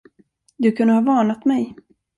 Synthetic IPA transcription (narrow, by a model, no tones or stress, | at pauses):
d̪ɵkʰɵnd̪əhɑːvɑːɳat̪mɛj